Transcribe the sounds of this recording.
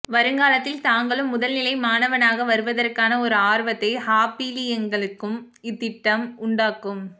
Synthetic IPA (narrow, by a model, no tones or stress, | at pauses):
ʋɐɾɯŋɡaːlɐt̪ːɪlt̪aːŋɡɐɭɯmːʊðɐlnɪlɐɪmaːnɐʋɐnaːɣɐʋɐɾɯʋɐðɐrkaːnɐɔɾɯaːɾʋɐt̪ːɐɪhaːpiːlɪjɐŋɡɐɭɯkːɯm | ɪt̪ːɪʈːɐmʊɳɖaːkɯm